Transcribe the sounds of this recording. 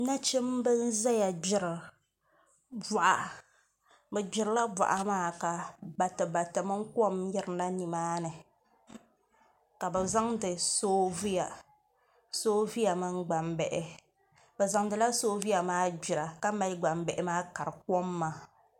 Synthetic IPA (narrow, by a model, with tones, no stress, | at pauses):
na˦t͡ʃi˦mbɨ˦n̩˦za˦ja˨d͡ʒɪ˦ɾɨ˨ | bɔ˨ʔa˨ | bɛ˨d͡ʒɪ˨ɾɨ˦la˦ba̰˨ʔa˨maː˦ka˨ba˨tɨ˨ba˨tɨ˨mɨ˦ŋ˦kɔ˦mjɛ˦ɾɨ˨na˦ni˨maː˦nɨ˨ | ka˨bɛ˨za˦ŋdɨ˨soː˦vi˦ja˨ | soː˦vi˦ja˨mɨ˦ŋɡ͡ba˨mbɛ˨ʔɛ˨ | bɛ˨za˨ŋdɨ˨la˦soː˦vi˦ja˨maː˦d͡ʒi˨ɾa˨ka˦ma˦lɡ͡ba˨mbɛ˨ʔɛ˨maː˦ka˨ɾɨ˨kɔ˦mːaː˨